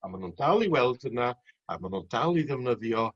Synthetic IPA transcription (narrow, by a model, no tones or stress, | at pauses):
amanundalˠiwɛlˠd̥ənaa̰manundalˠiðɛvnəðjɔ